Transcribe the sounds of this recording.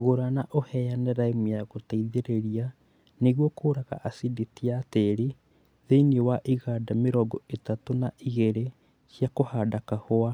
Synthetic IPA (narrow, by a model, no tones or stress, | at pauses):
ɣoɾanaʔohɛjanɛɾaimujaɣotaiðeɾeɾia | neɣwɔkoːɾaɣa̰ʔasidetiateɾi | ðeiniewaʔiɣaːdameɾɔɡɔetatonaʔiɣeɾe | sjakohaːdakahoa